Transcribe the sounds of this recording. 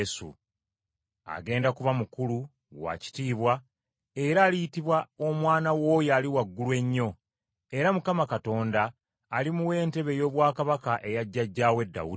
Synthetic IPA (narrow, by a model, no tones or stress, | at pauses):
sṵ | a̰ɡe̞ːndakuβamukulu | wa̰ci̥tiːβwa | e̞ɾaːlijitiβwao̞mwaːnawo̞ːjaːliwaɡːulwe̞ɲːo̞ | e̞ɾamukamakato̞ːndaː | limuwe̞ːnte̞βe̞jo̞ːβwaːkaβakaʔe̞jaɟːaɟːaːwe̞dːa̰u